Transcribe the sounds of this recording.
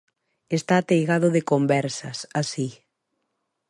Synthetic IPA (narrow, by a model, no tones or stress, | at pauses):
est̪aːt̪ejɣaðʊðekombɛɾsɐsasi